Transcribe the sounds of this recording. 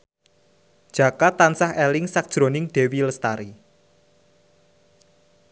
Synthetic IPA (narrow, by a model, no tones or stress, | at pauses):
d̥ʒ̥a̤kat̪ːansahelɪŋsak̚d̥ʒ̥ɾo̤nɪŋɖ̥e̤wiləst̪aɾi